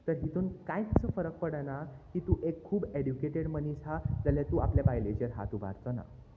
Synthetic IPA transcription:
t̪əɾɦit̪uːnkajkəsəfəɾək̚pəɽənakiːt̪uʔekʰːuːbeɽjukeʈeɽmənisad͡zaljat̪uːapljabajled͡ʑəɾɦa̰t̪ubʱa̰ɾt̪əna̰

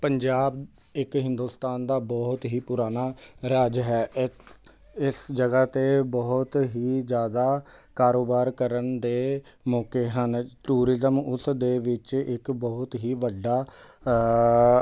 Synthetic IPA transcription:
pəɲd͡ʒaːb | ɪkɦɪ̃nd̪uːst̪aːnd̪aːbɔːɦt̪ɦiːpʊɾaːnaːɾaːd͡ʒɦɛː | ɪsd͡ʒəɡaːt̪eːbɔɦʊt̪ɦiːd͡ʒjaːd̪aːkaːɾoːbaːɾkəɾənd̪eːmɔːkeːɦənʈuːɾɪzəmʊsd̪eːʋɪt͡ʃɪkbɔːʊt̪ɦiːʋəɖːaː

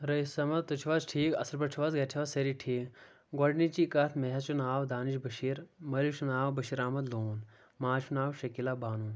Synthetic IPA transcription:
ɾɐisɐmɐt̪t̪ut͡ʃʰiʋazʈʰiːkɐsɐɾbɐt͡ʃʰiʋazɡɐtʰiʋɐseɾiʈʰiːk | ɡɐɖnit͡ʃikɐt̪ʰmeɦɐt͡ʃunaːwd̪aːniʃbɐʃiːɾmɐliʃunaːwbɐʃiːɾaːmɐd̪loːn | maːt͡ʃʰunaːwʃɐkilabaːnuːn

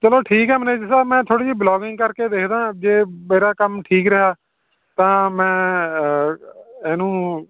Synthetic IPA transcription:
t͡ʃəloːʈʰiːkɦɛːməneːd͡ʒsaːmɛ̃ːt̪ʰoːɽiːd͡ʒiːblɔːɡɪŋɡkəɾkeːd̪eːkʰd̪ãːd͡ʒeːmeːɾaːkəmʈʰiːkɾɪɦaː | t̪ãːmɛ̃ː | ɛːnũː

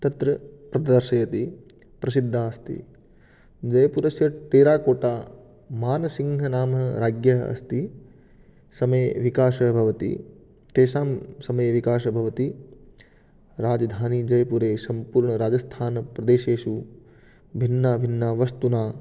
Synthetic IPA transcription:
t̪ɐt̪ɾɐpɾɐt̪ɐd̪ɐɾʃɐjɐt̪i | pɾɐsid̪ʱːaːɐst̪ḭ | d͡ʒɐjɐpuɾɐsjɐʈeːɾaːkoːʈaː | maːnɐsiŋɡʱɐnaːmɐɾaːɡjɐɦɐ̰ɐ̰st̪i | sɐmɐjʋikaːʃɐbʱɐʋɐt̪ḭ | t̪eːʃaːmsɐmɐjʋikaːʃɐbʱɐʋɐt̪i | ɾaːd͡ʒɐd̪ʱaːnid͡ʒɐjɐpuɾeːsɐmpuːɾɳɐɾaːd͡ʒɐst̪ʰaːnɐpɾɐd̪eːʃeːʃu | bʱinːaːbʱinːaːʋɐst̪unaː

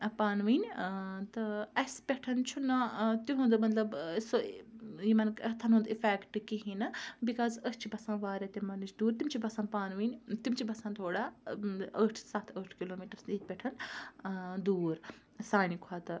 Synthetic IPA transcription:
paːnʋiːnʲt̪ɨɐspʲɛʈʰɐnt͡ʃʰunɐt̪uɦũnd̪umɐt̪lɐbsojimɐnkɐt̪ʰɐnɦũnd̪ifeːkʈkiɦĩnɐbikaːzəst͡ʃʰibɐsãːʋaːɾʲet̪emɐnit͡ʃd̪uːɾt̪imt͡ʃʰibɐsãːpaːnʋiːnʲt̪imt͡ʃʰibɐsãːt̪ʰoːɽaːɐʈʰsat̪ʰəʈʰkiloːmiːʈɐɾsiːt̪̚pʲɛʈʰɐn | d̪uːɾ | saːnikʰaːt̪ɨ

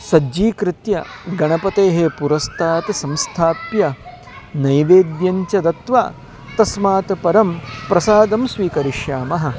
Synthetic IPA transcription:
sɐd͡ʒiːkɾɪt̪jɐ̰ɡɐɳɐpɐt̪eːɦepuɾɐst̪ʰaːt̪sɐ̃mst̪ʰaːpjɐ | nɐjʋeːd̪jɐɲt͡ʃɐd̪ɐt̪ʋa̰ | t̪ɐsmaːt̪ɐpɐɾɐmpɾɐsaːd̪ɐmsʋiːkɐɾiʃjaːmɐɦɐ̆

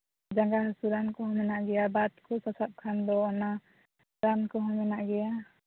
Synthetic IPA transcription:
d͡ʒaŋɡahsuɾankɔɦɔmɛnaʔɡɛjabat̪̚kʰɔsasap̚kʰand̪ɔɔna | ɾankɔɦɔmɛnaʔɡɛja

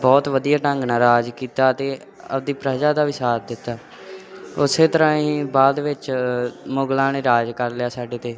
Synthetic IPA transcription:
bɔːt̪ʋəd̪ijaːʈəŋɡnaːɾaːd͡ʒkiːt̪aːət̪eː | ə̰d̪iːpɾəd͡ʒaːd̪aːʋisaːt̪d̪ɪt̪ːaː | ʊseːt̪əɾãːĩːbaːd̪ʋɪt͡ʃmoɡlãːneːɾaːd͡ʒkəɾlɪjaːsaːɖeːt̪eː

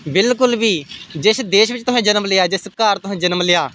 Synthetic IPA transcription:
bɪlkʊlʋiːd͡ʒɪsd̪eːʃʋɪt͡ʃt̪ʊɦãːd͡ʒənəmlɪjaːd͡ʒɪskaːɾt̪ʊɦãːd͡ʒənəmlɪjaː

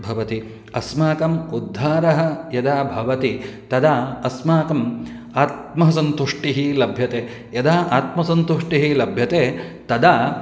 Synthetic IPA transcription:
bʱɐʋɐt̪i | ɐsmaːkɐmud̪ʱːaːɾɐɦɐ̆jɐd̪aːbʱɐʋɐt̪it̪ɐd̪aːɐsmaːkɐm | aːt̪̚mɐɦɐsɐnt̪uʂʈiɦilɐbʱjɐt̪eː | jɐd̪aːʔaːt̪mɐsɐnt̪uʂʈiɦilɐbʱjɐt̪eːt̪ɐd̪aː

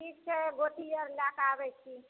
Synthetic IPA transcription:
ikt͡ʃʰeɡoʈijəɾlakabɛt͡ʃʰi

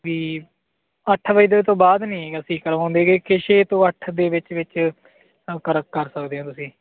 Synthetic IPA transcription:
ʋiː | əʈʰʋəiːd̪eːt̪õːbaːd̪nĩːəsĩːkəɾãːnd̪eːɡeːkʰɪʃeːt̪õːəʈʰd̪eːʋɪt͡ʃʋɪt͡ʃ | kəɾəkːəɾsəkd̪eːɦãːt̪ʊsĩː

